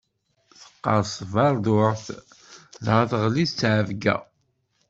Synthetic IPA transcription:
θə̥qːɑɾsˤvɑɾˤd̪ʊʕθ | ðhəθəʁlist͡sːʕəvɡæ̰

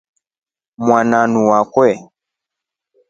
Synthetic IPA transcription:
mwananuwakwɛ

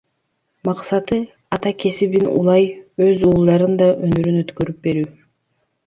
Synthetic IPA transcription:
mɑqsɑt̪ɯ | ɑt̪ɑkʰe̞siβinṵlˠɑjøzuːlˠd̪ɑɾɯnd̪ɑʔønyɾynø̞t̪køɾyp̚be̞ɾyː

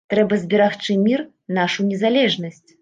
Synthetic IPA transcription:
t̪ɾɛbɐzʲbʲɛɾaxt͡ʂɨmʲir | naʂunʲɛzalʲɛʐnɐsʲt͡sʲ

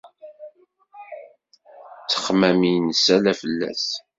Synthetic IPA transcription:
t͡sːə̥χmæminsælæfəlːæ̰s

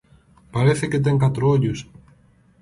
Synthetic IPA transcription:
paɾeθeket̪̬eŋkat̪ɾooʎʊs

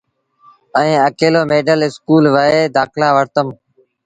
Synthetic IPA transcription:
ə̃ĩːəkeːloːmeːɖəlɪskuːlʋəeːd̪aːkʰlaːʋəɾt̪əm

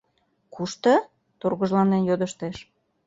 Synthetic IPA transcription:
kʰuʃt̪ə | t̪orɣə̆ʒlɑnenjod̪əʃt̪eʃ

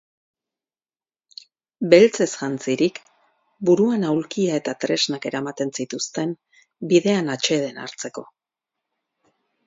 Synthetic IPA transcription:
be̞lt͡se̞sʝant͡siɾik | buɾuanawlkiae̞t̪at̪ɾe̞znake̞ɾamat̪e̞nsit̪ust̪e̞m | biðe̞anat͡ʃe̞ð̞e̞na̰ɾt͡se̞ko̞

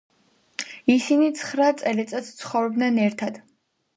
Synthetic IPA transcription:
isinit̪sʰχɾat̪sʼɛlɛt̪sʼɛt̪st̪sʰχɔvɾɔbd̪nɛnɛɾt̪ʰad̪̥

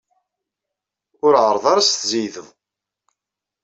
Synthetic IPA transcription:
ʊɾʕəɾˤðˤaɾast̪zijðəðˤ

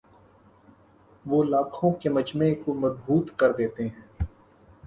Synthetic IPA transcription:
ʋoːlaːkʰõkeməd͡ʒmẽkoməzbuːt̪kəɾd̪eːt̪eɦɛ̃ː

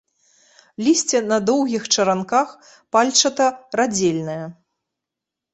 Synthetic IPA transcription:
lʲisʲt͡sʲɛnɐd̪ɔwɣʲixt͡ʂɐɾankax | palʲt͡ʂɐt̪ɐrad͡zʲelʲnɐjɐ

